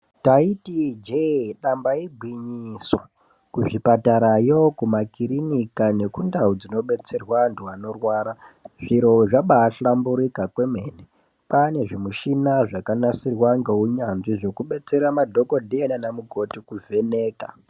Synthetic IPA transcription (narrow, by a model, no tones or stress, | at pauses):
taitid͡ʒeɗambaibʱwiɲiso | kuʐipataɾajokumakiɾinikane̞kundaud͡zino̞ɓe̞t͡se̞rwanduwano̞rwaːɾaʐ̥iɾo̞ʐaɓaːɬambuɾikakwe̞me̞ːne | pane̞ʐimuʃinaʐakanasirwaŋɡeɦuɲanʐiʐo̞kuɓe̞t͡se̞ɾamadʱo̞ko̞dʱienanamuko̞tikuve̞ne̞ːka